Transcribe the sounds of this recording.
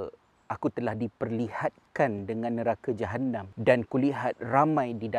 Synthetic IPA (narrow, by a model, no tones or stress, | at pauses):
ʔakut̪əlahdipərlihat̪̚kandəŋãnːəɾakad͡ʒaɦanamdankuliɦat̪̚ramãjdida